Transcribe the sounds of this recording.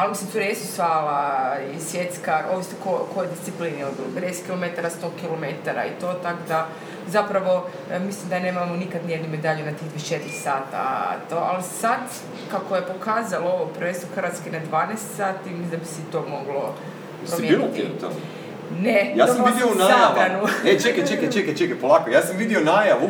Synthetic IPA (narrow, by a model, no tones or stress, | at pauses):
almisimsuɾajesusʋaːlaisʋjet̪skaʔoʋist̪okokojed̪ist̪sipliniod̪b̪ḭluped̪eskilo̞met̪aɾast̪okilomet̪aɾa̰ḭt̪o̞ːt̪akod̪a | zapɾaʋo̞ | mislimd̪ane̞ːmamonikad̪nijed̪nume̞d̪aʎunat̪ixit͡ʃe̞t̪iɾisaːt̪a̰t̪oa̰lisad̪ | kakojepo̞kaːzalooʋopɾʋenst̪oxrɾʋat̪skenad̪ʋaːnest̪saːt̪imizd̪abisɛt̪o̞mo̞ɡlo̞ | jpsɾomjeint̪inut̪a̰ | nejaːoamid̪ionaabɾanunet͡ʃekat͡ʃekat͡ʃekat͡ʃekapolˠakojaːsamʋid̪ionajaʋu